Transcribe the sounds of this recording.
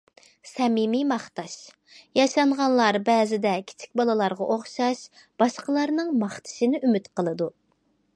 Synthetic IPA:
sɛmimimɑχt̪ɑʃ | jɑʃɑɴʁɑnlˠɑɾbɛːzɪd̪ɛkʲʰi̥t͡ʃʰi̥k̚ʲbɑlˠɨlˠɑɾʁɑ̰ʔoχʃɑʃ | b̥ɑʃqəlˠɑɾnɨŋmɑχt̪ʰɨ̥ʃinɪʔymyt̪qəlˠɨd̪u

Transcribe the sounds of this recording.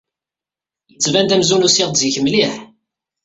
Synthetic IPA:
t͡sːvænd̪æmzunusiʁd̪ziçəmliħ

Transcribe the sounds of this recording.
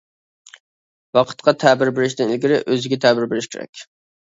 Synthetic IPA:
wɑqʰə̥t̪qʰɑt̪ʰæbɪɾbɪɾɪʃ̬t̪ɪnɪlɡʲɪɾɪʔøzɪɡʲɛt̪ʰɛbɪɾbɪɾɪʃkʲeɾɛ̰k̚ʲ

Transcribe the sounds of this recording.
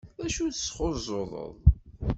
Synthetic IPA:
æʃuθəsχozˤoðˤə̰ðˤ

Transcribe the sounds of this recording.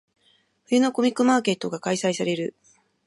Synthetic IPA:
ɸɯ̟jɯ̟no̞ko̞mʲikːɯ̟maːke̞t̪ːo̞ɡakaisaisaɾe̞ɾɯ̟

